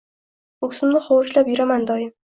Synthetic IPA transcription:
ʊkʲsɪmnɪχɒwɾʊʃlapjʊɾamand̪ɒjɪm

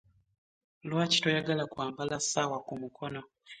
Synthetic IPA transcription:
lwaːci̥tojaɡalakwaːmbalasawakumukʰono

